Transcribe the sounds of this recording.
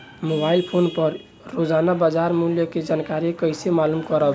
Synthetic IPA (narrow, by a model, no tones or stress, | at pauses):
mobailpʰonpʌɾː | od͡ʒanabad͡ʒaɾmuljəked͡ʒankaɾikəɪsemalumkɔɾəb